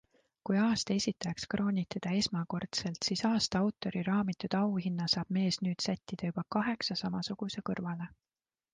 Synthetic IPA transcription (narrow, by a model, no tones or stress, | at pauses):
kujɑːst̪ɑe̞sʲit̪ːˑɑkskrʔo̞ːnʲit̪ːˑed̪̥ɑe̞smɑko̞rt̪se̞lt̪siːsɑːst̪ɑɑwt̪ːˑo̞ɾiɾɑːmit̪ːˑud̪̥ɑwɦinːɑsɑːb̥me̞ːsnyːd̪sæt̪ʲːid̪̥ɑjub̥ɑkɑɦe̞ksɑsɑmɑsuɡ̥use̞kɤrvɑle̞